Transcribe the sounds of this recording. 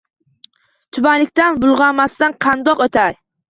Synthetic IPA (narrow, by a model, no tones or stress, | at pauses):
t̪ʰʊbanlɪkʲt̪anbʊlˠʁɑmast̪anqʰɑnd̪ɒqot̪ʰaɾ